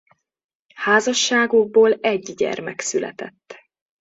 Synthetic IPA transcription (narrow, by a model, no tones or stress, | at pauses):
haːzɒʃːaːɡoɡ̚boːlɛɟɟɛ̰rmɛksylɛ̰t̪ɛt̪ː